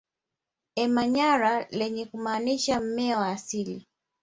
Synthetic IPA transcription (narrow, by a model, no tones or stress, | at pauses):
ɛmaɲaɾalɛɲɛkumaːniʃam̩mɛawaːsili